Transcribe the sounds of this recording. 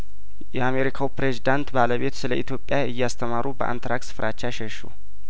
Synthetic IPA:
jɛame̞ɾikʰawpɾezid̪ant̪baləβe̞t̪sɨləit̪ʰjo̞pʼːjaɨjːast̪ʰəmaɾubəʔa̰nt̪ʰɾaksɨ̥fɾat͡ʃːaʃɛʃṵ

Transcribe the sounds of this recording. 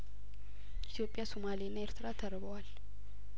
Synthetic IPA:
ʔit̪ʰjo̞pʼjasomalinːaeɾt̪ʰɨɾat̪ʰəɾβəwal

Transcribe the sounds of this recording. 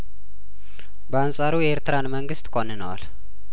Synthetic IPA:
bəansʼaɾujɛʔeɾt̪ɾanməŋɡɨst̪kʷʼonːɨnəwa̰l

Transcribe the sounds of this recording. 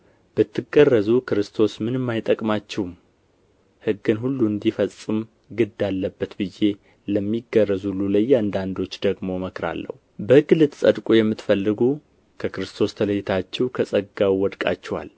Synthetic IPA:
b̥ət̪ːɨɡərːəzukʰɨɾɨst̪ʰo̞smɨnɨmːajt̪ʼəkʼmat͡ʃːɛwm | hɨɡːɨnɦulːuɨnd̪ifəsʼɨm | ɡɨd̪alːəbːət̪bɨjːe̞ | ləmːiɡərːəzulːuləjand̪and̪o̞t͡ʃːd̪əɡmo̞məkɾa̰lːə̰hubəɨɡɨlɨt̪sʼəd̪kʼujɛmːɨt̪fəlːɨɡu | kʰəkɨɾɨst̪ʰo̞st̪ʰələjːɪt̪ʰat͡ʃːɛwkʰəsʼəɡawwɔd̪kʼa̰t͡ʃːɛwa̰l

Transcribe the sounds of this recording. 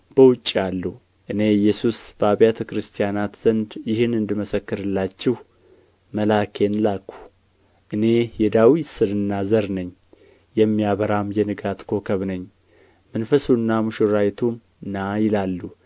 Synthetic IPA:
b̥əwʊt͡ʃʼːialːu | ʔɨne̞jːɛsusb̥əaβjat̪ʰəkɾɨst̪ʰijanat̪z̥ənd̪jɪhɨnɨnd̪ɨməsəkːɨɾɨlːat͡ʃːɪh | məlakʰenlakːu̥ | ʔɨne̞jɛd̪awit̪sɨnɨnːazəɾnəɲː | jɛmːijaβəɾamjɛnɨɡat̪kʰo̞kʰəβnəɲː | mənfəsunːamuʃɨɾajt̪ʰum | ɨnajɪlalːu

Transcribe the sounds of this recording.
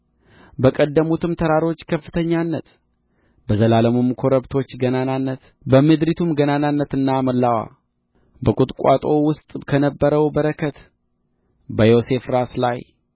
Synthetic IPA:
bəkʼəd̪ːəmut̪ʰɨmt̪ʰəɾaɾo̞t͡ʃːkʰəfːɨt̪ʰəɲːanːət̪ | bəzəlaləmumkʰo̞ɾəβt̪ʰo̞t͡ʃːɡənananːət̪ | bəmɨd̪ɾit̪ʰumɡənananːət̪ɨnːaməlːawa̰ | bəkʼut̪ʼkʷʼa̰t̪ʼo̞wʊst̪ʼkʰənəbːəɾəwbəɾəkʰət̪ | bəjo̞se̞fɾaslaj

